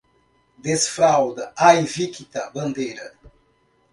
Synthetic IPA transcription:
d̪esfɾawd̪ɐajvikit̪ɐbɐ̃nd̪ejɾɐ

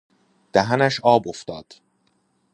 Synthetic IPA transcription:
d̪̥æɦænæʃɒːboft̪ɒːd̪̥

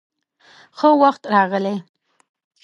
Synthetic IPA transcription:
xəwaxt̪ɾɑɣəle

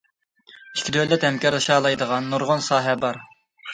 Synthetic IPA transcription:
i̥kʲʰid̪ølɛt̪hɛmkʲɑɾlˠɨʃɑːlˠɑjd̪əʁɑnːuɾʁʊnsɑːɦɛbɑɾ

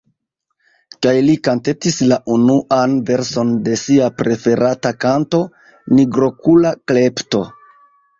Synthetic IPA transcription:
kajlikante̞tislaʔunuʔanve̞ɾso̞nde̞siapɾe̞fe̞ɾatakanto̞ | niɡɾo̞kulakle̞pto̞̰

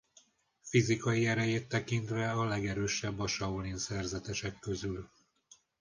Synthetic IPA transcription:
fizikɒjiɛɾɛjeːt̪ːɛkint̪ʋɛɒlɛɡɛɾøːʃɛbːɒʃɒulinsɛrzɛt̪ɛʃɛkːø̞zyl

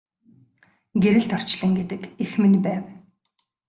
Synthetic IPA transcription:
ɡeɾɘ̆ɬt̪ɔr̥t͡ɕɮə̆ŋɡet̪ɘ̆kexmɘ̆npæːw

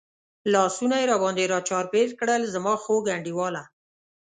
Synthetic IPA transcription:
lɑsunajeɾɑbɑnd̪eɾɑt͡ʃɑɾpeɾkɽəlzamɑxoɡaɳɖiwɑla

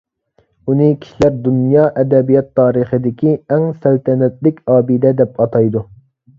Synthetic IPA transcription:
unɨkʲʰi̥ʃilæɾd̪unjɑːʔɛd̪ɛbijɑt̪ʰːɑːɾəχəd̪ɪkʲʰiɛŋsælt̪ʰɛnɛt̪̚lɪkʲɑːbid̪ɛd̪ɛp̚ɑt̪ʰɑjd̪u

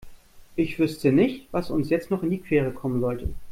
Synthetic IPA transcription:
ʔɪçv̥ʏstʰənɪçtv̥asʊnsjɛt͡stnɔχɪndiːkv̥ɛːʁ̞əkʰɔmənzɔltʰə̰

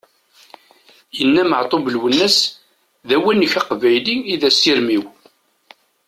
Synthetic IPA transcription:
jənːæməʕt̪ˤobəlwənːæs | ðæwænːəçɑqvæjliiðæsiɾmiw

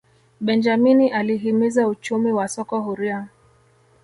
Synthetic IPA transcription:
ɓɛnd͡ʒaminiʔaliɦimizaut͡ʃumiwasɔkɔhuɾia

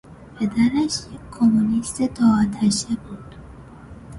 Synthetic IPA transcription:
pʰed̪æɾæʃjekʲʰːomunist̪et̪ʰɒːt̪ʰæʃebuːd̪̥

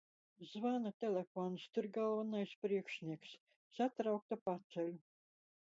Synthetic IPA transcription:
zvanat̪ʲelʲefɔnst̪ʊɾɡalˠvanajspɾiɛkʃnʲiɛks | sat̪ɾawk̚t̪apat̪sɛlʲu

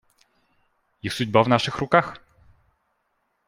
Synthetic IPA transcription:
jixsud͡ʑbavnaʂɘxɾukax

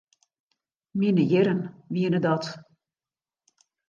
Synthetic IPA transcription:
mɪnəjɪɾənʋiənədɔt

